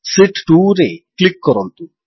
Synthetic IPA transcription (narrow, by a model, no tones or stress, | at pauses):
siʈʈuːɾeklikːɔɾont̪u